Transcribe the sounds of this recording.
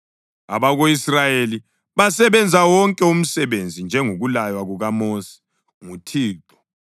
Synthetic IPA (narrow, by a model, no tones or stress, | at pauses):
a̰βaɣoisrajeli | βasɛβɛnd͡zʱawɔŋkʼɛum̩sɛβend͡zʱind͡ʒʱɛŋuɣulajwaɣuɣamoːsɛ̥ | ŋutʰiːǁɔ̥